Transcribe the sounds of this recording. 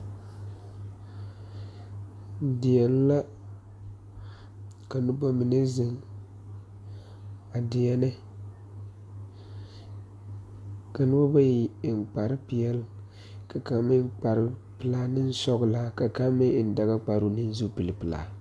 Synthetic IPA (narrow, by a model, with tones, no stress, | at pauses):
dɪ˨ɛ˨n˦la˦ | ka˨nʊ˦ba˦mi˨ne˦zɪ˦ŋ | a˨dɪ˨ɛ˦nɛ˦ | ka˨nɪ˦ba˦ba˦ji˨ŋ͡mk͡pa˨ɾɪ˦pɪ˨jɛ˦l | ka˨ka˨˦mɪ˦k͡pa˨ɾɪ˦ | pɨ˨la˦nɪ˦n˦sɔ˦ɡla˦ka˨ka˦mɪ˦˨n˨da˨ɣa˦k͡pa˨ɾu˦nɪ˦n˦zu˦pi˨lɪ˨pɨ˨la̰ː˨